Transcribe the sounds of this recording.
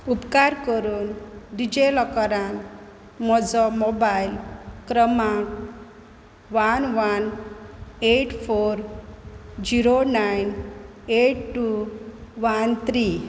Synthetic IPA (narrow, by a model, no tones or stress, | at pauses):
upkaɾkəɾuːnɖid͡ʑelɔkɔɾan | mɔd͡zɔmobajlkɾəmãk | ʋanʋan | eʈfoɾ | d͡ʑiɾonajn | eʈʈːuʋant̪ʰɾi